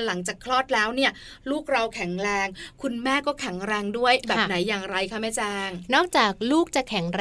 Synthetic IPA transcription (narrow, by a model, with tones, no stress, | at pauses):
la˩˦ŋt͡ɕaː˨˩kʰlɔː˥˩t̪̚lɛː˦˥wni˥˩ɐluː˥˩k̚ɾa˧wkʰɛ˩˦ŋɾɛː˧ŋkʰu˧nmɛː˥˩kɔː˥˩kʰɛ˩˦ŋɾɛː˧ŋdu˥˩əjbɛː˨˥pna˩˦jːaː˨˩ŋɾa˧jkʰa˥˩mɛː˥˩t͡ɕaː˧ŋnɔː˥˩k̚t͡ɕaː˨˩k̚luː˥˩k̚t͡ɕa˨˩kʰɛ˩˦ŋɾ